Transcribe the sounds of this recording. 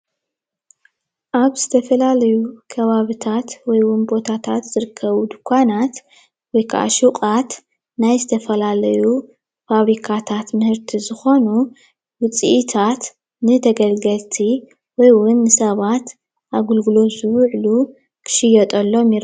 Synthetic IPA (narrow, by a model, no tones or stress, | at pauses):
ʔaβz̥ɨt̪ʰɐfɐlalɐjukʰɐβaβit̪ʰat̪wɔjwʊnbo̞t̪ʰat̪ʰat̪z̥ɨɾɨkʰːɐβud̪ɨkʷʰːanat̪ | wɔjkʰa̰ʔa̰ʃuqʼat̪ | najzɨt̪ʰɐfɐlalɐju | faβɾikʰat̪ʰat̪mɨhɨɾt̪ʰizɨxo̞nu | wʊt͡sʼiʔit̪ʰat̪ | nɨt̪ʰɐɡɐlɡɐlt̪ʰi | wɔjwʊnːɨsɐβat̪ | ʔaɡulɡulo̞zɨβʕlu | kʰɨ̥ʃɪjɐt̪ʼɐlːo̞mjɪɾ